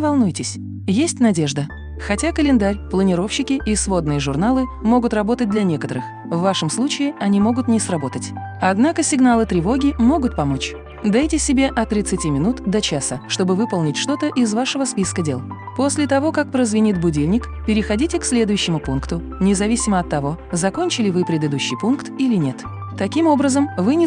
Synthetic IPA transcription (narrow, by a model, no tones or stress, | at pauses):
vɐlˠnujtʲɪsʲ | jesʲtʲnɐdʲe̞ʐd̪ə | xɐtʲakəlʲɪnd̪aɾʲplˠənʲɪɾo̞fɕːɪkʲɪʔisvo̞d̪nɨjəʐʊrnalˠɨmo̞ɡʊt̪rɐbo̞t̪ət̚ʲd̪lʲɐnʲe̞kət̪əɾɨx | vːaʂəmslˠut͡ɕɪɪɐnʲimo̞ɡʊt̪nʲɪsrɐbo̞t̪ətʲɐd̪nakəsʲɪɡnalˠɨt̪ɾʲɪvo̞ɡʲɪmo̞ɡʊt̪̚pɐmo̞t͡ɕ | d̪ajtʲɪsʲːɪbʲe̞ʔɐt̪ɾʲɪt̪sɨtʲimʲɪnut̪d̪ɐt͡ɕasəʂt̪o̞bɨvɨpəlˠnʲɪtʲʂt̪o̞t̪əʔɪzvaʂəvəspʲiskədʲe̞̰lˠ | po̞sʲlʲɪt̪ɐvo̞kak̚pɾəzvʲɪnʲit̪̚bʊdʲilʲnʲɪk | pʲɪɾʲɪxɐdʲitʲɪksʲlʲe̞d̪ʊjʉɕːɪmʊpunkt̪ʊ | nʲɪzɐvʲisʲɪməɐt̪ːɐvo̞zɐko̞nʲt͡ɕɪlʲɪvɨpɾʲɪd̪ɨd̪uɕːijpunkt̪ilʲɪnʲe̞t̪ | t̪ɐkʲimo̞bɾəzəmvɨnʲɪ